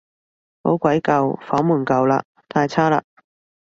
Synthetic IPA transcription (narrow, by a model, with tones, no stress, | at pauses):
ho̰˨˥wkʷɐ˨˥jkɐ˨wfɔː˨˥ŋmuː˨˩nkɐ˨wla̰ː˧ | t̪ʰaː˧jt͡sʰaː˥la̰ː˧